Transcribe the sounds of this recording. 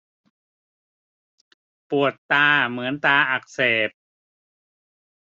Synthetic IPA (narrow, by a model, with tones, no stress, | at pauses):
pu˨˩ət̪ːaː˧mɯ˩˦ənt̪aː˧ʔa˨˩k̚seː˨˩p̚